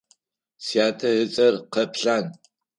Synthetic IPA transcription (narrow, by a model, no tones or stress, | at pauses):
sjaːtʰɐɦɨt͡sʼɐrqɐpʰɬaːn